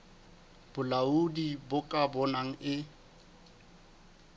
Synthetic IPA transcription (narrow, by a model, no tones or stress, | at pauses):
b̥ʊlaudibʊkʼabɔnaŋ̩ɪ